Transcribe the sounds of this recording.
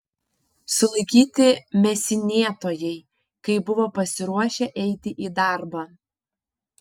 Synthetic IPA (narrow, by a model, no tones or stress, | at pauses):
sʊlˠɐɪkʲiːt̪ʲɪmʲɛsʲɪnʲeɛt̪oːjɛɪ | kɐɪbʊʋoːpɐsʲɪɾuɔʃʲɛʔɛɪt̪ʲɪʔiːd̪ɑˑɾbɑː